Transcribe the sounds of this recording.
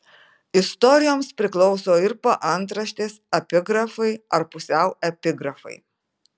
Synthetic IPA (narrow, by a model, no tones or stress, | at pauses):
ɪst̪ɔɾʲɪjoːmspʲɾʲɪklˠɔʊsoːɪɾpɐʔɐnˑt̪ɾɐʃʲt̪ʲeːsɐpʲɪɡɾɐfɐɪɐɾpʊsʲɛʊɛpʲɪɡɾɐfɐ̰ɪ